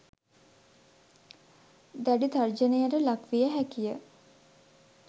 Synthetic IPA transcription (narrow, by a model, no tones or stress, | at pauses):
d̪æɖit̪ard͡ʒənejəɾəlakʋijəɦækijə